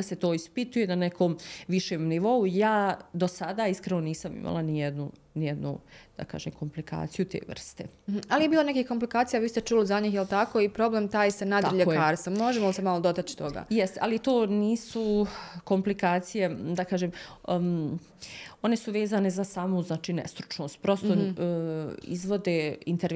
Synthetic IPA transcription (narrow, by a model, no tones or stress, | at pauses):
ase̞t̪o̞ːispit̪ujenanekʰoːmʋiʃeːmniʋo̞ujaːd̪o̞sad̪aːiskɾenoniːsamḭmʔa̰lˠanijed̪nu | nijed̪nṵd̪̥a̰ka̰ːʒeːmkʰo̞mplika̰ːt̪sijut̪ḛːʋr̩st̪ḛm̩m̩alijebiːlonekihkomp̬likaːt̪sijaʋiːst̪et͡ʃuːlizaɲiːxjelt̪akoːipɾo̞bleːmt̪aːjsanad̪aɾiʎekaːɾst̪ʋomːo̞ʒemolisemalod̪ot̪at͡ʃi̥t̪o̞ɡa̰ːjɛst̪eʔa̰lit̪o̞ːniːsuko̞mplikaːt̪sije̞d̪akaːʒem | o̞ne̞suʋe̞ːzaːne̞zasaːmuznaːt͡ʃiːnḛst̪ɾu̥t͡ʃno̞ːst̪̚pɾo̞st̪o | ḭzʋo̞d̪eint̪eɾ